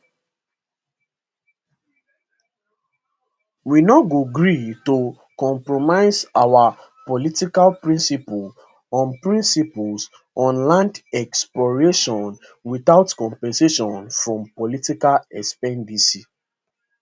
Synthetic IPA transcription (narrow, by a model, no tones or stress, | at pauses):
winɔɡoɡɹito | kɔ̃mpɹomaɪzawa | pɔlitikalpɹĩnsipul | ɔ̃npɹĩnsipuls | ɔ̃nlãndɛksplɔɹeʃɔ̃n | wiθaʊtkɔ̃mpɛ̃nseʃɔ̃nfɹɔ̃mpɔlitikalɛspɛ̃ndisi